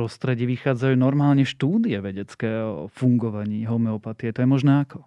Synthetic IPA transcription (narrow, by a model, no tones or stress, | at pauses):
ɾɔst̪ɾɛɟiːʋixaːd͡zajuːnɔɾmaːlɲɛʃt̪uːd̪iɛʋɛɟɛt͡skɛːɔ̰fuŋɡɔʋaɲiːɦɔmɛɔpat̪ijɛt̪ɔjɛmɔʒnɛakɔ